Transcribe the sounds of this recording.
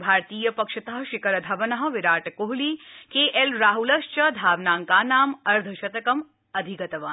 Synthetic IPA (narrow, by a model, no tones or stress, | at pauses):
bʱaːɾt̪iːjɐpɐkʃɐt̪ɐɦɐʃɪkɐɾɐd̪ʱɐʋɐnɐɦɐ̆ʋiɾaːʈkoɦliːkeːʔelɾaːɦulɐʃt͡ʃɐd̪ʱaːʋnaːŋkaːnaːmɐɾd̪ʱɐʃɐt̪ɐkɐm | ɐd̪ʱiɡɐt̪ɐʋaː